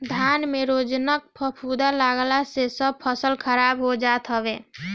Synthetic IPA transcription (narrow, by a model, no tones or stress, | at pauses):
d̪ʱjanmeɾod͡ʒnək̚pʰəpʰud̪alaɡlasesəb̚pʰəsəlkʰəɾabɦod͡ʒat̪ɦəbe